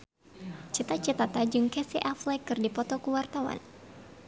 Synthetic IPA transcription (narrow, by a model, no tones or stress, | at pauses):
t͡ʃit̪at͡ʃit̪at̪ad͡ʒɨŋkɛsiʔaflɛkɨrdipɔt̪ɔkuwart̪awa̰n